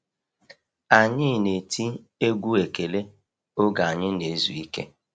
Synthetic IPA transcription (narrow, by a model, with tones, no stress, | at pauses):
a˨ɲɪ˦˨ne˨tʰi˦ | e˦ɡʷu˦e˨ke˨le˦ | o˦ɡa˨a˨ɲɪ˦ne˨˦zu˨i˦kḛ˦